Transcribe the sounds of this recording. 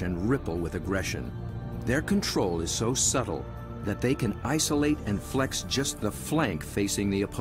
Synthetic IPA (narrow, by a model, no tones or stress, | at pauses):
ɨ̃nɹɪpl̩ˠwɪðɨɡɹɛʃɨ̰̃n | ðə˞kʰɨ̃ntʰɹ̥oʊlˠɨz̥soʊsʌɾl̩ˠ | ðɨt̪̚ðeɪkɨ̃naɪsəleɪɾɨ̃nflɛksd̥ʒ̥ʌst̪̚ðəflæ̃ŋkfeɪsɪ̃ŋðiɨpʰ